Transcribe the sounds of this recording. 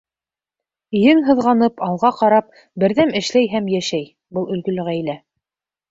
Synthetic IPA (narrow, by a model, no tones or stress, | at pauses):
jɘŋɦɤ̆ðʁɑnɤpɑlˠʁɑqɑɾɑp̚ | bɘ̆ɾðæmɘ̆ʃlæjɦæmjæʃæj | bɤlˠɵ̆lɡɵ̆lɘ̆ʁæjlæ